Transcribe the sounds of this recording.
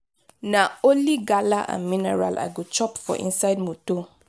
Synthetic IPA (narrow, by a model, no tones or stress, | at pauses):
nãoliɡalaʔã̰mĩnɛɾa̰lʔa̰ɡut͡ʃɔpfɔ̰ʔḭnsaɪdmũto